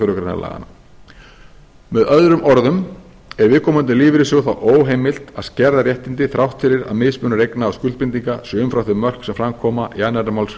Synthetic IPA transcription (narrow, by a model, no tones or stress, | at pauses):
œɾʏkɾajna̰la̰ːɣa̰na | mɛðœðɾʏmʔɔɾðʏm | ɛɾvɪːðkʰɔːmʏnt̪ɪliːvɾɪsɔɣθa̰wʔoːwɦeːjmɪl̥t̪aðscɛɾðaɾjɛht̪ɪnt̪ɪθɾawht̪fɪɾɪɾa̰ðmɪːðspʏːnɾejknaːwskʏlt̪̚pɪnt̪iŋkasœʏmfɾawθɛʏmœr̥ksɛmfɾamkʰɔːmaʔianːɛɾamawls